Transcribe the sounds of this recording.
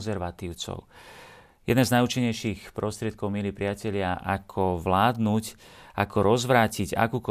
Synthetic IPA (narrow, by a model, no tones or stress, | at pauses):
nzɛɾʋat̪iːʊt͡sɔ̰ʊ | jɛ̰d̪nɛznajut͡ʃiɲɛjʃixpɾɔst̪ɾɪɛt̪̚kɔʊmilipɾɪacɛʎɪaʔakʰɔʋlaːd̪nucʔakʰɔɾɔzʋɾaːciɟa̰kuːkɔ